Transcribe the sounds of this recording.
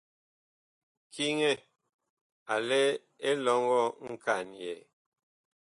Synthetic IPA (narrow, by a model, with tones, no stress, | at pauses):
kʰi˦ŋɛ˦˨ | a˨le˦ | e˦lɔ˨˦ŋɡɔ˦˨ŋ̩˦ka˨njɛ˨